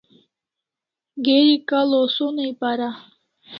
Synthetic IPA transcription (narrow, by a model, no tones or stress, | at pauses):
ɡeɾikalosonejpaɾa